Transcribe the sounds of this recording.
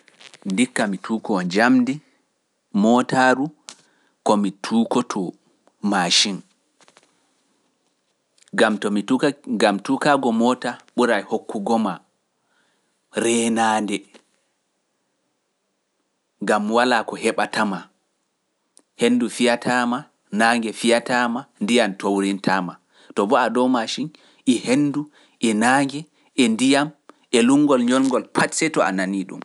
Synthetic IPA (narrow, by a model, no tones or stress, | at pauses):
ndikːamitʰukɔnd͡ʒamdi | mɔtaɾu | kɔmitʰuːkɔtʰɔ | maʃin | ɡamtɔiɡamtukaɡɔmɔtaɓuɾajhokːuɡɔma | ɾɛːnaːndɛ | ŋɡamwalakɔhɛɓatama | henːdufijatama | naːŋɡɛfijatamandijamtowɾintʰama | tɔbɔadɔwmaʃin | ʔihenːdu | ʔɛnaːŋɡɛ | ʔɛndijam | ʔɛluŋːɡɔlɲɔlŋɡɔlpʰatsɛtɔa̰naniɗṵm